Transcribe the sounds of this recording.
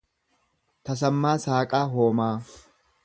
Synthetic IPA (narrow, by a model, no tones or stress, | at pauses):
t̪ɐs̬ɐmːaːsaːkʼaːɦoːmaː